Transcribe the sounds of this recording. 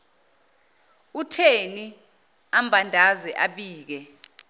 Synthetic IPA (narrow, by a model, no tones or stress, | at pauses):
utʰeni | ambʱandʱazɛʔaɓiːk̬ɛ